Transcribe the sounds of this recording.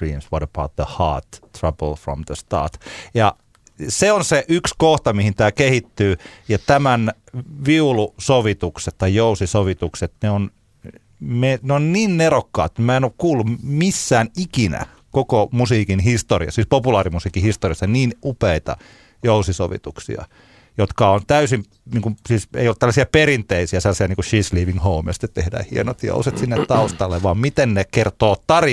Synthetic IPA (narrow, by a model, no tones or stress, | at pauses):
ḭːmswʌɾəb̥a̰ʊt̪̚ðəhɑ̰ːt̪ːɹɑb̥əlfɹɔ̰mðəst̪ɑ̰ːt̪jɑ | seonseʔykskoht̪ɑmihint̪æːkehit̪ːyːjɑt̪æmæn | ʋiulusoʋit̪ukset̪t̪ːɑijjousisoʋit̪ukset̪neon | meneonniːnnerokːɑ̰ːt̪emmæˑenoːkkuːlːummisːæːnikinæ̰ | kokomusiːkinhist̪oriɑ̰ssiːspopulɑːrimusiːkihist̪oriɑsːɑniːnupeit̪ɑ̰ | jousiso̰ʋḭt̪uksḭɑ̰ | jot̪kɑont̪æysim | niːŋkumsiːsḛijolːut̪ælːæsiæperint̪eisiæselːɑsiɑniːŋkuʃiːsliːʋiŋhoumḭɑsi̥t̪ːet̪t̪ḛhdæ̰ːhienot̪jo̰uset̪sinːet̪t̪ɑust̪ɑlːeʋʋɑːmmit̪ennekert̪oːt̪ɑri